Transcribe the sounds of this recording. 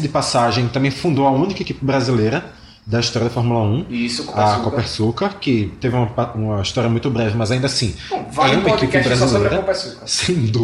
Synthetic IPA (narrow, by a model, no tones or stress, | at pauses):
d̪ɪpasaʒẽj̃t̪ɐ̃mbẽj̃fũd̪owɐũnikɐekipɪbɾazilejɾɐ | d̪ɐiʃt̪ɔɾjɐd̪ɐfɔɾmulɐũiskɐkopeɾsukɐkɪt̪evɪũmɐaũmɐiʃt̪ɔɾiɐmũj̃t̪ʊbɾɛvɪmɐzaĩnd̪ɐsĩ | vãt̪ekipɪibɾazislejɾɐopesukɐsẽj̃d̪u